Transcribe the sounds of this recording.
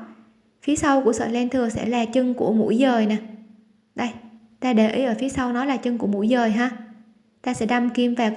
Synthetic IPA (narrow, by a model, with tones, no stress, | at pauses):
fi˨˦əsa˧wku˧˩əsə̰ː˧˨˩le˧nt̪ʰɨ˨˩əŋsɛ̰˧˥laː˨˩t͡ɕɨ˧ŋku˧˩əmṵ˧˥jzəː˨˩jna˨˩ | ɗə˧j | t̪aː˧ɗe˧˩ʔə˨˦jʔəː˧˩fi˨˦əsa˧wnɔ˨˦laː˨˩t͡ɕɨ˧ŋku˧˩əmṵ˧˥jzəː˨˩jɦaː˧ | t̪aː˧sɛ̰˧˥ɗa˧mki˧əmvaː˨˩